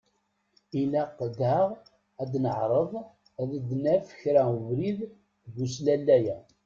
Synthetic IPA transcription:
ilæqːd̪æʁ | æd̪nəʕɾˤəðˤ | æðəd̪næfə̥çɾævɾið | ɡuslælːæjæ

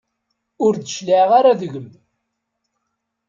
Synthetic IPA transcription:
ʊɾd̪əʃliʁaɾaðəʝəm

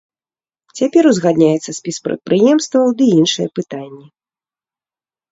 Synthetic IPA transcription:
t͡sʲapʲɛɾuzɣad̪nʲajɛt̪sːɐsʲpʲispɾɐ̰t̪̚pɾɨjɛmst̪vɐwd̪ɨinʂɨjɛpɨt̪anʲːɛ

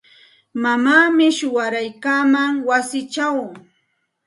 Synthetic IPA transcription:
mamaːmɪʃʊwaɾajkaːmaŋwasɪt͡ʃaw

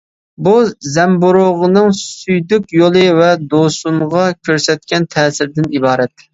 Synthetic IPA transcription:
buzɛmbuɾoʁənɨŋsyjd̪ykʲjolˠɨvɛd̪osuɴʁɑkʲʰøɾsɛt̪̚kʲɛnt̪ʰɛːsɪɾd̪ɪnibɑːɾɛt̪

